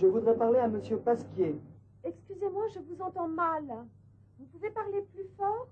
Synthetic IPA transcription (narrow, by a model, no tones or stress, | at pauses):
ʒəvud̪ʁɛpaʁleaməsjøpaskʲje | ɛkskʲyzemwɑ̃ʒəvuzɑ̃t̪ɑ̃mal | vupuvepaʁleplyfɔːʁ